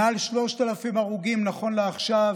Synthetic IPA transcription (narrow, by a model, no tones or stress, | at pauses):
alʃlo̞ʃt̪alafimaʁuɡimnaχo̞nleaχʃav